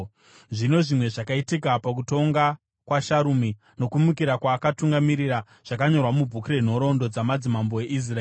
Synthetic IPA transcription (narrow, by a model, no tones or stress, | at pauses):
ʐino̞ʐimwe̞ʐakaitikapak̬uto̞ŋɡa | kwaʃaɾumi | no̞kumukiɾakwaːkatuŋɡamiɾira | ʐ̥akaɲo̞rwamub͡vʱukure̞n̤o̞ɾo̞ndo̞d͡zamad͡zimamboe̞ʔis̬raeː